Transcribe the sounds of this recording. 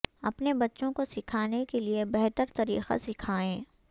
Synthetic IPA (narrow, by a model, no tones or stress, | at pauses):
ɐ̰pnebɐtːʃõkosɪkʰaːnekeliebɛɦt̪əɾt̪ɐɾḭːqa̰sɪkʰaːẽː